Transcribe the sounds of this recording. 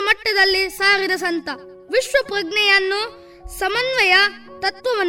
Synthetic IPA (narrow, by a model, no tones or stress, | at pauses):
mɐʈːɐd̪ɐlːisaːɾiɾɐs̬ɐnt̪ɐ | ʋiʃʋɐpɾɐɡɳɛjɐnːu | sɐmɐnʋɐjɐt̪ɐt̪ʋɐʋɐn